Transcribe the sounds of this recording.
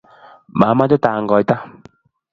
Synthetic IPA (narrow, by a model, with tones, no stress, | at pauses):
ma˨˦ma˦dɛ˦taː˨ŋɡɔ˨jta˦